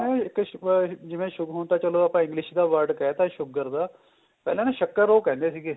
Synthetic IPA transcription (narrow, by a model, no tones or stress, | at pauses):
ɛ̃ːɪkd͡ʒɪʋẽːʃʊɡɦoːnt̪aːt͡ʃəloːapãːɪ̃ŋɡlɪʃd̪aːʋəɾɖkɛt̪ãːʃʊɡəɾd̪aː | pɛ̰ːlãːnẽːʃəkːəɾːoːkɛ̃ːnd̪eːsiːɡeː